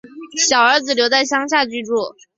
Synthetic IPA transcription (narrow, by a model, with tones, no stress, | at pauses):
ɕjɑ˨˩ʊə˞˧˥d͡zɹ̩˨˩ljo˧˥ʊt͡sa˥˩ɪɕjɑ˥ŋɕ̬ja˥˧t͡ɕy˥˧ʈ͡ʂwɔ˥˩